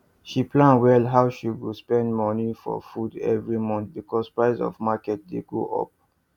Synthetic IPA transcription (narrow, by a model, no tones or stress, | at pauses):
ʃiplãnwɛlɦaʊʃiwilspɛ̃ndmɔnifɔ̰fudɛ̰vɹimɔ̃nθ̚bikʰɔspɹaɪzɔ̰vmakɛt̚dḛɡo̰ʔɔ̰p̚